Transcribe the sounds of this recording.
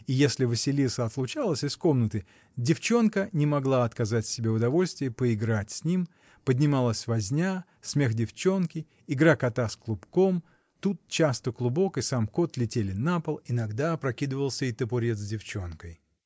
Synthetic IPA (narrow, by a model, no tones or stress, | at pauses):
ijesʲlʲɪvɨsʲɪlʲit̪səɐt̪lˠʊt͡ɕalˠəsʲɪsko̞mnət̪ɨ | dʲɪft͡ɕo̞nkənʲɪmɐɡlˠaɐt̪kɐzatʲsʲɪbʲe̞ʊd̪ɐvo̞lʲst̪vʲɪjəpəɪɡɾatʲsʲnʲim | pədʲnʲɪmalˠəsʲvɐzʲnʲa | sʲmʲe̞xdʲɪft͡ɕo̞nkʲɪ | ɪɡɾakɐt̪asklˠʊpkom | t̪ut̪̚t͡ɕast̪əklˠʊbo̞kɨsamko̞t̪lʲɪtʲelʲɪnapəlˠɪnɐɡd̪apɾɐkʲid̪ɨvəlˠsʲəɪt̪əpʊɾʲet̪zʲdʲɪft͡ɕonkəj